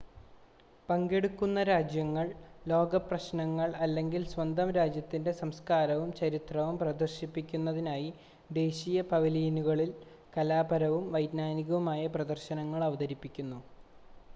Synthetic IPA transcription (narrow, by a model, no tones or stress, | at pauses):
pɐŋɡe̞ɽukːunːɐɾaːd͡ʑjɐŋːɐɭlo̞ːɡɐprɐɕnɐŋːɐɭɐlːe̞ŋɡilsʋɐnd̪ʱɐmɾaːd͡ʑjɐt̪ːinde̞sɐmskaːɾɐʋumt͡ɕɐɾit̪rɐʋumprɐd̪ɐrɕipːikʲːunːɐðinaːji | d̪e̞ːɕijɐpɐʋɐliːnuɣɐɭil | kɐlaːbɐɾɐʋumʋɐjd̪naːniɣɐʋumaːjɐprɐd̪ɐrɕɐnɐŋːɐɭɐʋɐðɐɾipːikʲːunːu